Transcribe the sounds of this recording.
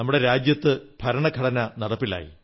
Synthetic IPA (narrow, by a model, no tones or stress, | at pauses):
ɐmːuɽe̞ɾaːd͡ʑjɐt̪ːɨbʱɐɾɐɳɐɡʱɐɽɐnɐnɐɽɐpːila̰ːjḭ